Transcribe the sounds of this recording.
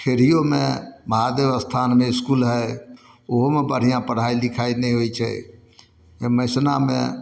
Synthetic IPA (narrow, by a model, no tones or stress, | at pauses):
kʰeɾijomẽməɦad̪eʋəst̪ʰanmẽɪskuːlɦɛj | oɦomebəɽ̤ijãpəɽ̤ailɪkʰainɛ̃ɦoit͡ʃʰɛ̰ | məsna̰mḛ̃